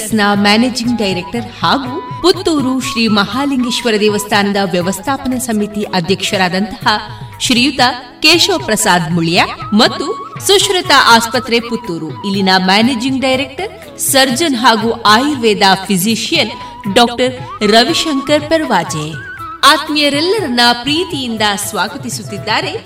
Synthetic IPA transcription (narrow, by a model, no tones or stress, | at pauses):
snaːmæːneːd͡ʒiŋɡɖɐjɾek̚ʈɐɾhaːɡuput̪ːuːɾuʃɾiːmɐhaːliŋɡiʃʋɐɾɐd̪eːʋɐst̪ʰaːnɐd̪ɐʋjɐʋɐst̪ʰaːpɐnɐsɐmit̪iʔɐd̪ʱjɐkʂɐɾaːd̪ɐnt̪ɐ̥hɐ | ʃɾijut̪ɐ | keːʃoːpɾɐsaːd̪muɭjamɐt̪ːusuʃɾɐt̪ɐʔaːspɐt̪ɾeput̪ːuːɾuilːinɐmaːneːd͡ʒiŋɡɖɐjɾek̚ʈɐɾ | sɐɾd͡ʒɐnɦaːɡuʔaːjiɾʋeːd̪aːpʰiziʃijɐn | ɖɔːk̚ʈɐɾɾɐʋiʃɐŋkɐɾpɐɾʋaːd͡ʒe | aːt̪mijɐɾɛlːɐɾɐnːɐpɾiːt̪ijind̪ɐsʋaːɡɐt̪isut̪ːid̪ːaːɾe̞